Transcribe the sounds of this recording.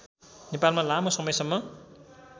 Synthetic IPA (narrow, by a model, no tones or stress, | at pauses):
nepalmalamʌsʌmʌjsʌmːʌ